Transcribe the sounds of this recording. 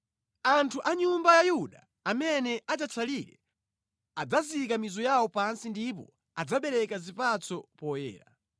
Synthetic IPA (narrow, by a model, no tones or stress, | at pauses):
antʰuʔaɲumbajajuɗa | amɛnɛʔat͡ʃat͡sʰaliɾɛ̰ | ad͡zazikamizɔjawɔpansindip̬ɔ | ad͡zaɓɛɾɛkazipat͡sʰɔpɔjɛ̰ːɾa̰